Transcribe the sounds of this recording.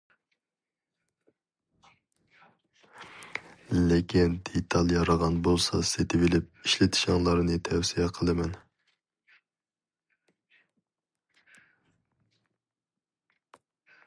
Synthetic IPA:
lɪkʲʰind̪et̪ʰɑlˠjɑɾɑʁɑnbolˠsɑset̪ʰɪvɪlɪp̚iʃlɪt̪ʰi̥ʃɑŋlˠɑɾɨnɨt̪ʰɛwsijɛqʰəlˠɨmɛn

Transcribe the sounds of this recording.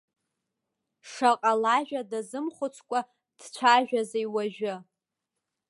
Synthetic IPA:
ʂaqʼalaʒᶣadazɨmχʷʊt͡sʷʰkʷʼa | d̥t͡ɕʷʰaʒᶣazejwaʒᶣɪ

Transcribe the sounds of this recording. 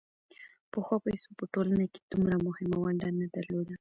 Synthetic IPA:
pəxwɑpajso̥pəʈolanake̥d̪̥umɾamʊhɪmawaɳɖanad̪aɾlod̪a

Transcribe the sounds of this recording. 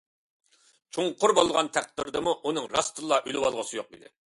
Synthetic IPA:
t͡ʃʰuŋqʰʊɾbolˠʁɑnt̪ʰæq̚t̪ɪɾd̪ɨmuʔunɨŋɾɑst̪ɨlˠːɑʔylɪwɑlˠʁəsɨjoqḭd̪ɪ̰

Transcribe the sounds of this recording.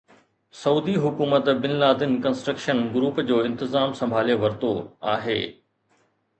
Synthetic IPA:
sɐuːd̪iɦʊkuːmət̪bɪnlaːd̪ɪnkɐ̃nsʈɾəkʃənɡʊɾuːpd͡ʑoːɪ̃nt̪ɪzaːmsɐ̃mbʱaːleʋɐɾt̪o̰a̰ːɦḛː

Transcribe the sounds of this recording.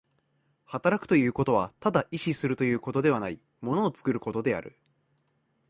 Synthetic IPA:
hat̪aɾakɯ̟̥t̪o̞jɯ̟ːko̞t̪o̞βat̪ad̪aʔiɕisɨɾɯ̟t̪o̞jɯ̟ːko̞t̪o̞d̪e̞βanai | mo̞no̞ːt͡sɨ̥kɯ̟ɾɯ̟ko̞t̪o̞d̪e̞a̰ɾɯ̟̰

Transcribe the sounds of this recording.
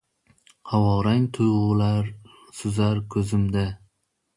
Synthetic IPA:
qʰawɒɾaŋt̪ʰʊjʁʊlaɾ | sʊzaɾkʲʰɵzɪmd̪a

